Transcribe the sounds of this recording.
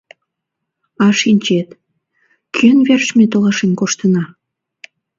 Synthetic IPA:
ɑʃinʲt͡ɕet̪ | kʰyənβerʃmet̪olɑʃenkoʃt̪ənɑ

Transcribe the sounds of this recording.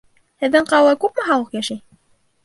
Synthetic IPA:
hɘ̆ðːɘɴqɑwɤkʉp̚mɘ̆ɦɑlˠɤqjæʃɘj

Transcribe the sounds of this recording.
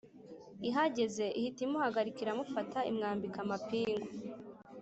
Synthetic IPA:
iɦaɟe̞ze̞ʔihitimuhaɡaɾikiɾamufatʰaḭmŋaːmbikamapiːŋɡo

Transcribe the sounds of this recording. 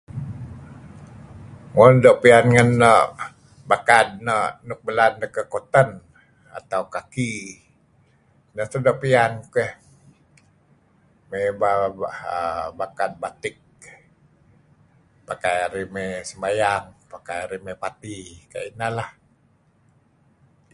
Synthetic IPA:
ŋondoʔpianŋənːəʔ | bakat̪̚nəʔnuk̚bəlandəkəkot̪ən | a̰t̪awkaki | nəht̪ədoʔpiankukəh | mebaaəbakat̪̚bat̪ɪk̚ | pakajaɾimesəmajaŋpakajaɾimepat̪ika̰inalah

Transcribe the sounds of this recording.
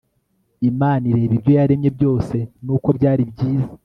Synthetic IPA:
imaːniɾe̞ːβibjo̞jaɾe̞mɲe̞bjo̞ːse̞nuːko̞bɟaːɾibɟiːzḁ

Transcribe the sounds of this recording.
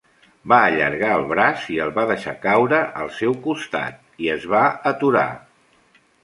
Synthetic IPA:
baəʎə̰ɾɣaəlˠβɾasiəlˠβaðəʃakawɾəʔəlˠsɛwkust̪a̰t̪̚ | iəzβaət̪uɾa̰

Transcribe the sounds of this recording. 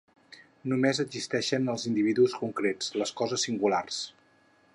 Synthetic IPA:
numezədzist̪ɛʃənəlˠzind̪iβiðuskuŋkɾet͡sləskɔzəsːiŋɡulars

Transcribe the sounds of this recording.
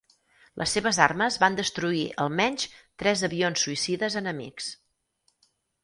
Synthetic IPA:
lʔə̰sːeβəzarməzβand̪əst̪ɾuiʔə̰lˠmɛɲʲt͡ʃt̪ɾɛzəβionsːuisiðəzənəmḭks

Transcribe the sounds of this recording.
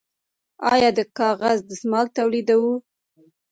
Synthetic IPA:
ɑjɑd̪əkɑɣazd̪əsmɑlt̪awlid̪awu

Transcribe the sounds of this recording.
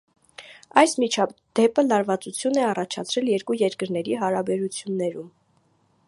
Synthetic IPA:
ɑjsmit͡ʃʰɑd̪̥ɛpəlɑɾvɑt͡sut͡sʰjunɛɑrɑt͡ʃʰɑ̰t͡sʰɾɛljɛɾkujɛɾkəɾnɛɾiɦɑɾɑbɛɾut͡sʰjunːɛɾum

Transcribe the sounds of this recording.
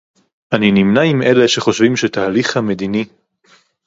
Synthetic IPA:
ʔaninimnaimʔeleʃeχo̞ʃvimʃet̪aːliχhame̞d̪ini

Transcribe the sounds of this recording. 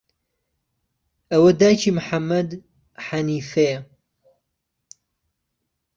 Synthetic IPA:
ʔɐwɐd̪aːjt͡ʃʰimʊħamːɐd̪ | ħaniːfɐjɐ

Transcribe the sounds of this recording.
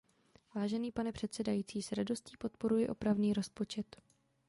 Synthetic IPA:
vaːʒɛniːpanɛpr̝̥ɛt̪sɛdajiːt͡siːsɾado̞sciːpo̞t̪̚po̞ɾujɪʔo̞pɾavniːɾo̞spo̞t͡ʃɛt̪

